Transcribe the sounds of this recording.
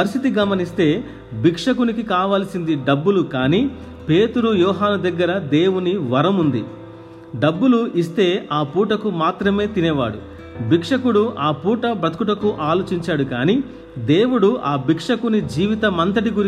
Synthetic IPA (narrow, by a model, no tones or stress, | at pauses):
pɐɾisit̪iɡɐmɐnist̪e̞ː | bikʂɐkunikikaːʋaːlɐsind̪iɖɐbːulukaːniː | pe̞ːt̪uɾujɔːɦaːnud̪ɐɡːɐɾɐd̪e̞ːwuniʋɐɾɐmund̪i | ɖɐbːuluʔist̪e̞ːaːpuːʈɐkumaːt̪ɾɐme̞ːt̪inɛːʋa̰ːɽṵ | bikʂɐkuɽuaːpuːʈɐbɐt̪kuʈɐkuʔaːlo̞ːt͡ʃiɲt͡ʃaːɽukaːniː | d̪e̞ːwuɽuʔaːbikʂɐkunid͡ʒiːʋit̪ɐmɐnt̪ɐʈiɡuɾ